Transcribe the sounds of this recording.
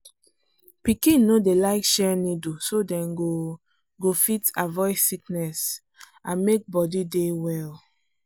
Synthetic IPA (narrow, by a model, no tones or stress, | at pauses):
pikĩnodelaɪkʃɛnidusodɛ̃nɡo | ɡofitavɔɪsiknɛs | ãnmek̚bɔdidewɛl